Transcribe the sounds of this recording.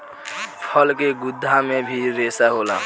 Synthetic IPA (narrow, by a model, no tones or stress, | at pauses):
pʰəlkeɡʊd̪ʱːamẽbʱiɾeːsaɦoːla̰ː